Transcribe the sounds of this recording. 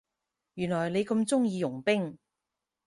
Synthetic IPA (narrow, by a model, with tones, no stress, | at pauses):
jyː˨˩nlɔː˨˩jne˨˧jkɐ˧mt͡sʊ˥ŋjiː˧jʊ˨˩ŋpɪ˥ŋ